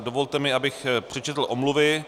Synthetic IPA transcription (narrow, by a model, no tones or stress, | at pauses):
dovolt̪ɛmɪabɪxpr̥ɛt͡ʃɛt̪l̩ʔomluvɪ